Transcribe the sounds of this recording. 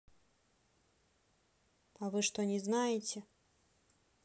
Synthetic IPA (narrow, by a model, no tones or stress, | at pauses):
ɐvɨʂt̪ɔnʲɛznajɪt͡sʲɛ